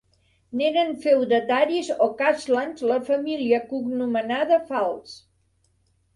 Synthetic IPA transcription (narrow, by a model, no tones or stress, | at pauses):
neɾənfewd̪ət̪aɾizɔkazlanzləfəmiliəkuɡnumənaðəfalˠs